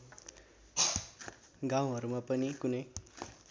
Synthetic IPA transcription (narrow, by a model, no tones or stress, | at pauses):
ɡãw̃ɦʌɾumapʌnikunʌj